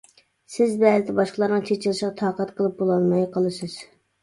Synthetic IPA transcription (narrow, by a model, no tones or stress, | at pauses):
sɪzbɛzɪt̪ɪbɑʃqəlˠɑɾnəŋt͡ʃʰet͡ʃʰɪlˠɨʃʁɑt̪ʰɑːqɑt̪qʰəlˠɨp̚bolˠɑlˠmɑjqʰəlˠɨsɨz̥